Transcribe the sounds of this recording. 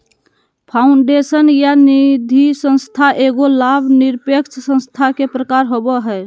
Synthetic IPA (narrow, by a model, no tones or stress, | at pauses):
pʰaʊɳɖesənjanid̪ʱisə̃nst̪ʰaʔeɡolabʱniɾpekt͡ʃʰsə̃nst̪ʰakepɾəkaɾɦobəɦɛ